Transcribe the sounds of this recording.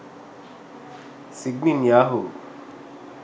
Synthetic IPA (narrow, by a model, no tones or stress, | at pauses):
siɡ̚ninjaːɦu